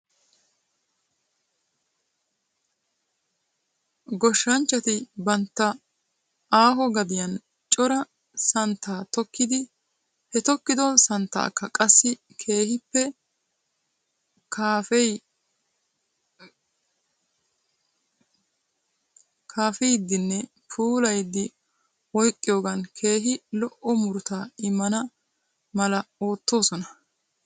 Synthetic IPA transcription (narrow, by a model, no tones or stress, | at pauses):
ɡɔʃːɐnt͡ʃːɐt̪ɪbɐnt̪ːɐ | aːɦɔɡɐd̪ɪjɐn | t͡ʃʼɔɾɐ | sɐnt̪ːaːt̪ɔkːɪd̪ɪ | hɛt̪ɔkːɪd̪ɔnsɐnt̪ːa̰ːkːɐkʼɐsːɪ | kʰe̞ːhɪpːɛ | kaːfɛ | kʰaːfɛjd̪ːɪnːɛ | pʰuːlɐjd̪ːɪ | wɔjkʼːɪjoːɡɐnkʰe̞ːɦɪlɔʔɔmʊɾt̪aːɪmːɐnɐ | mɐlɐo̞ːt̪ːo̞ːsɔnɐ